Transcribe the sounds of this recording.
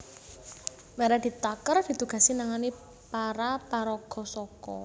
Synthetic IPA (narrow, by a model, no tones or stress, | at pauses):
maɾad̪̥i̤t̪akərd̥i̤t̪uɡ̥ä̤sinaŋani | paɾapaɾɔɡ̥ɔsɔkɔ̰